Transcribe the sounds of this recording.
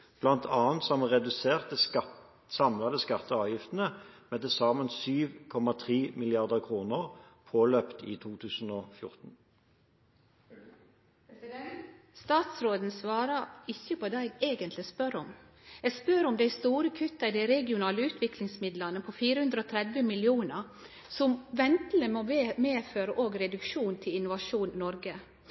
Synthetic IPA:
b̥lɑnt̪ʰɑːnt̪sɔmʁɛd̪ʉseːʁt̪ə | sɑmlɑd̪əskɑt̪ːəɑːʋjɪft̪n̩əmɛd̪ɛsɑːmənsyːʋkʰɔmɑt̪ʰʁiːmɪlɪɑʁd̪əʁkʰʁuːnəʁpʰoːløpt̪ʰḭːt̪ʰuːt̪ʰʉːsn̩oːfjʊʁt̪n̩ | st̪ɑːt̪sɾoːd̪n̩sʋɑːɾəɾɪçːəpʰɔd̪æɪɡeːɡənt̪lɪspœɾɔm | ɛɡspøɾɔmd̪æɪst̪uːɾəkʰʉt̪ːɑɪd̪æɪɾɛɡɪʊnɑːləʉːt̪ʰʋɪklɪŋsmɪd̪lɑnəpʰɔfiːɾəhʉnd̪ɾəoːt̪ʰɾɛd̪ʋəmɪlɪuːnə | sɔmʋɛnt̪l̩əmoːʋemeːføːɾəʔoːɡɾɛd̪ʉkʃuːnt̪ʰɪlɪnːʊʋɑʂuːnnɔɾɡə

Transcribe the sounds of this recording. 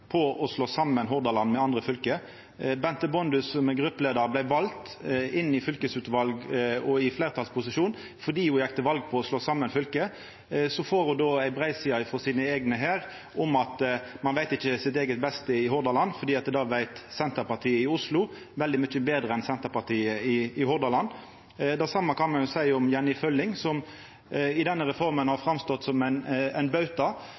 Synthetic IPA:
pʰɔɔsloːsɑmːənɦɔʁd̪ɑlɑnmɛɑnd̪ʁəfʏlkə | bɛnt̪əbɔnd̪ʉsɔmɛɡʁʉpːəleːd̪əɾblæɪʋɑlt̪ | ɪnːɪfʏlkəsʉːt̪ʋɑlɡɔɪfleːʁt̪ʰɑlspʰʊsɪʃuːn | fɔd̪iːuːjækt̪əʋɑlɡ̚pʰɔɔsloːsɑmːənfʏlkə | sɔfoːɾhʊd̪oːæɪbʁæɪsɪːɑɪfɔsiːnəeːɡnəɦæːɾ | ʔɔmɑt̪mɑnʋæɪt̪ɪçːəsɪt̪eːɡət̪̚bɛst̪əɪhʊɾd̪ɑlɑnːfɔɾd̪iːɑt̪d̪d̪ɑːʋæɪt̪sɛnt̪əɾpɑt̪ʰiːəɪʊslʊ | ʋɛld̪ɪmʏt͡ʃːəbeːd̪ɾəɛnsɛnt̪əɾpɑʁt̪ʰiːəɪɪhʊɾd̪ɑlɑnː | d̪æsɑmːəkʰɑnmɑnjʊsæɪɔmjɛnːɪfœlːɪŋsɔm | ɪd̪ɛnːəɾɛfɔʁmənhɑɾfɾɑmst̪ɔt̪ːsɔmænæɪnbɑʉt̪ɑ

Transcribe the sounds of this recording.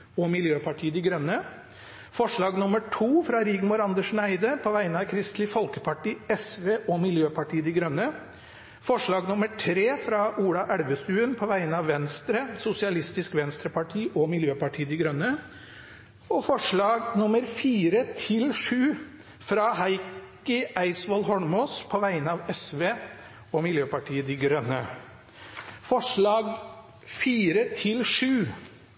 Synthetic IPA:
ɔmɪljøːpʰɑʈʰiːəd̪ɪɡɾœnːə | fɔʂɭɑːɡnʊməʈʰuːfɾɑɾɪːɡmʊɾɑnd̪əʂnæɪd̪əpʰɔʋæɪənəɑʋkʰɾɪst̪lɪfɔlkəpʰɑʈiːɛsʋeːʔɔmɪljøːpʰɑʈiːəd̪ɪɡɾœnːə | fɔʂɭɑːɡnʊməʈʰɾeːfɾɑuːɽɑʔæɽʋəst̪ʉːənpʰɔʋæɪənəɑʋʋɛnst̪ɾəsʊsɪɑlɪst̪ɪskʋɛnst̪ɾəpɑʈʰiːʔɔmɪljøːpɑʈʰiːəd̪ɪɡɾœnːə | ɔfɔʂɭɑːɡnʊməɾfiːɾət̪ʰɪlʂʉː | fɾɑhɑɪk | əæɪsʋɑlɦɔɳmoːspʰɔʋæɪənəɑʋɛsʋeː | ɔmɪljøːpɑʈʰiːəd̪ɪɡɾœnːə | fɔʂɭɑːɡ | fiːɾət̪ʰɪlʂʉː

